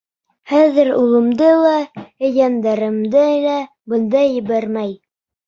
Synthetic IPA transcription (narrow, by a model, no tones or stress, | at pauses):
χæðɘɾulˠɤ̆md̪ɤlˠɑɘ̆jɑnd̪ɑɾɤ̆md̪ɤlæ | bɤ̆nd̪ɑjɘ̆βæɾmæj